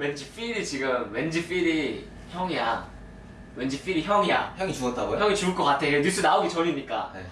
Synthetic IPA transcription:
wend͡ʑif͈iɾit͡ɕiɡɯmwend͡ʑif͈iɾi | çjʌŋija | wend͡ʑif͈iɾiçjʌŋija̰çjʌŋit͡ɕuʌt͈̚aɡojʌŋit͡ɕuɯɭk͈ʌk͈atʰeeɲus͈unaoɡit͡ɕʌɾimɲik͈a̰e

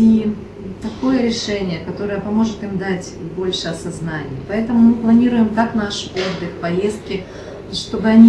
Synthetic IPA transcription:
i | t̪ɐko̞jəɾʲɪʂɛnʲɪjəkɐt̪o̞ɾəjəpɐmo̞ʐɨt̪imd̪atʲbo̞lʲʂɨɐsɐznanʲɪ̰jpɐɛt̪əmʊmɨplˠɐnʲiɾʊjɪmk̪aknaʂod̪ʲɨxpɐje̞st̪̚kʲɪ | ʂt̪o̞bɨɐnʲi

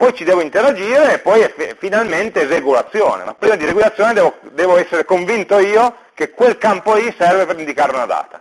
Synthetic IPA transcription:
pɔjt͡ʃid̪ɛːvoint̪eɾad͡ʒiːɾeːpːɔjɛffːinalment̪ezeɡulat̪sːjɔ̰ːnḛma̰pːɾiːmad̪iɾeɡulat̪sjɔːned̪ɛːvod̪ɛːvoɛsːeɾekoɱvint̪oiːo | kekwelkampoisɛrvepeɾind̪ikaːɾeunad̪a̰ːt̪a

